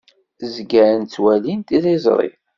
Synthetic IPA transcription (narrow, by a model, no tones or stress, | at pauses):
zɡæɾənt͡sːwælint̪iðizˤɾˤḭ